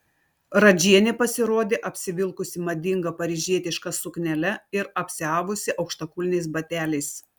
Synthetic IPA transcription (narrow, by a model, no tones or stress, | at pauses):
ɾɐd͡ʒʲiɛnʲepɐsʲɪɾoːd̪ʲeːʔɐpʲsʲɪʋʲɪlˠkʊsʲɪmɐd̪ʲɪŋɡɐpɐɾʲɪʒʲiɛt̪ʲɪʃkɐsʊknʲɛlʲɛɪɾɐpʲsʲɪɑːʋʊsʲɪʔɐʊkʃt̪ɐkʊlʲnʲɛɪsbɐt̪ʲæːlʲɛɪs